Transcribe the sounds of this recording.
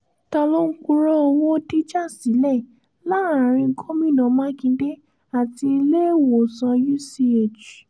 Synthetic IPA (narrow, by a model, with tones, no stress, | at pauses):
ta˧lo˦ŋ̩˦ku˦˧˦ɾɔ˦o˧wo˦di˦d͡ʒa˦˨si˨˦lɛ˦˨ | la˦˨ɾã˨ɾ̃ĩ˧˦kʰo˦mĩ˦˨nɔ̃˨˦mã˦kĩ˧˦de˦ | a˨ti˧i˧le˦˨wo˨sã˧ju˦si˧˦e˨d͡ʒu˨